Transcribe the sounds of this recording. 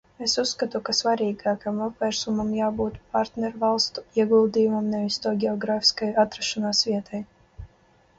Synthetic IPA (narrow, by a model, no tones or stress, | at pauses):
esusːkat̪ukasvaɾʲiːɡaːkamɔpvʲɛɾsumamjaːbuːt̪paɾt̪nʲɛɾvalˠst̪u̥iɛɡulˠd̪ijumamnɛvʲist̪ɔɡʲɛɔɡɾaːfʲi̥skajat̪ɾaʃɔnaːsvʲiɛt̪ʰaj